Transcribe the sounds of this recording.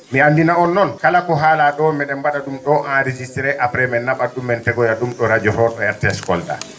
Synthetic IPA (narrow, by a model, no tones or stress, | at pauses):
miandinaɔnːɔnkalakɔɦaːlaɗɔmɛɗɛmbaɗaɗumɗɔʔanɾed͡ʒistɛɾɛʔapɾɛmɛnːaɓaɗumɛntɛɡɔjaɗumɗɔɾad͡ʒɔhɔɗɔjɛɾtɛskɔ̰lda̰